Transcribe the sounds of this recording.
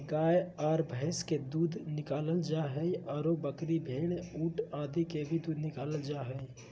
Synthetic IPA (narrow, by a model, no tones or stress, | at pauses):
ɡaːjɔːɾbʱəɪsked̪uːd̪ʱnɪkaːləld͡ʒaːɦɛiɔːɾobəkɾibʱeːɽ̃uːʈaːd̪ikebʱid̪uːd̪nɪkaːləld͡ʒaːɦɛ